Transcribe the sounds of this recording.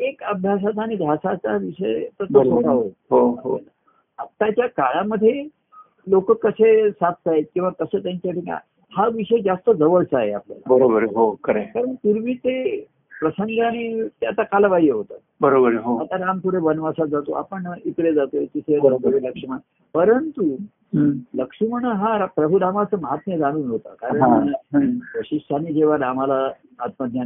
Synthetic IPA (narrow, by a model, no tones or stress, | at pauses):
ekəbʱjas̬at͡saːɽ̃id̪ʱasat͡saʋiʂəjt̪ət̪əʈaɦoɦoaɦoa | at̪ːat͡ɕjakaɭaməd̪ʱːje | lokəkːəsesap̪̚t̪aɦekĩw̃ʋakəset̪jaɲt͡ɕjaʈika̰ | haʋiʂəjd͡zast̪əd͡zəʋəɭt͡saɦeaplja̰la̰bəɾobəɾɦokəɾekaɾəɳt̪iɾʋiːt̪e | pɾəsəŋɡəaɽ̃it̪eat̪akalaʋajəɦot̪at̪bəɾobəɾɦoat̪aɾampuɽebənʋasad͡zat̪o̰ʔa̰pəɳit̪ɽed͡zat̪oet̪iseəɾk̪beləkʂiməɳ | pəɾənt̪u | ləkʂiməɳəɦaɾpɾəbʱuɾamat͡səməɦat̪meɾaɽ̃uːnɦot̪a̰kaɾəaɳ | ʋəɕiʂʈ̪ʰanid͡ʑeʋ̤aɾam̤ala | at̪məd̪ʱja